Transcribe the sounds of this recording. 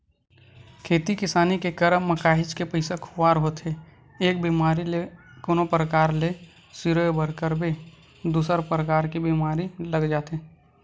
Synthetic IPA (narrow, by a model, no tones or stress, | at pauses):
kʰeːt̪ikɪsaːnikekəɾəmːəkaːɦɪt͡ʃkepəɪsakʰʊwaːɾɦoːt̪e | eːk̚biːmaːɾilekoːnopɾəkaːɾle | siɾojbəɾkəɾbe | d̪uːsəɾpɾəkaːɾkibiːmaːɾiləɡd͡ʒaːt̪eː